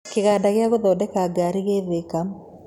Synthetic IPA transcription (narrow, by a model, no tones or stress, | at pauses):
kɪɣaːdaɣɪaɣoðɔːdɛkaːɡaɾiɣeːðekam